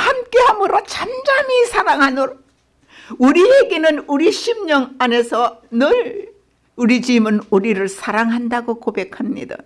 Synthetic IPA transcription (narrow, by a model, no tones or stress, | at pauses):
hamk͈e̞ɦamɯɾot͡ɕʰand͡ʑamisʰaɾaŋɦanɯɾ | uɾieɡe̞nɯnuɾiɕʰimɲʌŋane̞sʰʌnɯɾ | uɾid͡ʑimɯnuɾiɾɯɭsʰaɾaŋɦandaɡokobe̞kʰhamɲḭda̰